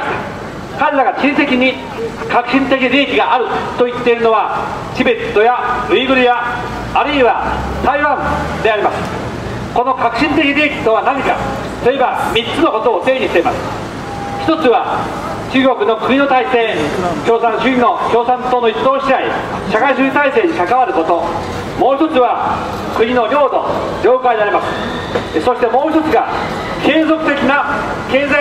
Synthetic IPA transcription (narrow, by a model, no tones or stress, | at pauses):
kaɾeɾaɡat͡ɕĩɰ̃se̞kʲiɲ̟i | kakɯ̟̥ɕĩnt̪e̞kʲiɾʲiːkʲiɡaːɾɯ̟t̪o̞it̪ːe̞iɾɯ̟no̞βa | t͡ɕibet̪ːo̞jaɯ̟iɡɯ̟ɾijaː | ɾɯ̟iβa | saiβãnd̪e̞aɾʲimasɨ̥ | ko̞no̞kakɯ̟ɕĩnt̪e̞kʲiɾʲiːkʲi̥t̪o̞β̞anaɲikḁ | t̪o̞e̞bamʲit͡sːɨno̞ko̞t̪o̞ːt̪e̞ːɲ̟iɕt̪e̞imasɨ̥ | çi̥t̪o̞t͡sɨβa | t͡ɕɨːɡo̞kɯ̟no̞kɯ̟ɲ̟ino̞t̪aise̞ːkʲo̞ːsãnɕɨino̞kʲo̞ːsãnt̪oːno̞it͡sɨd̪o̞ːɕiai | ɕakaiɕɨit̪aise̞ːɲ̟ikakaβaɾɯ̟ko̞t̪o̞ | mo̞ːçit̪o̞t͡sɨβa | kɯ̟ɲ̟ino̞ɾʲo̞ːd̪o̞̰ | d͡ʑʲo̞ːkaid̪e̞aɾʲimasɨ̥ | so̞ɕi̥t̪e̞mo̞ːçʲt̪o̞t͡sɨɡa | ke̞ːzo̞kɯ̟t̪e̞kʲina | ke̞ːza